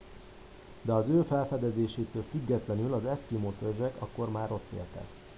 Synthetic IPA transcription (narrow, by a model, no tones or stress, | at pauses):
d̪ɛɒzøːfɛlfɛd̪ɛzeːʃeːt̪øːlfyɡːɛt̪lɛnylɒzɛskimot̪ørʒɛkɒ̰kːo̞rmaːɾo̞t̪ːḛːlt̪ɛ̰k